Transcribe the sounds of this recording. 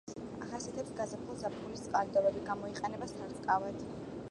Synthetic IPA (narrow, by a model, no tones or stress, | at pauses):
a̰χasiat̪ʰɛpsɡazapʰχulˠzapχulist̪sqʼaɾid̪ɔbɛbiɡamɔiqʼɛnɛbasaɾt̪ʼkʼavad̪̥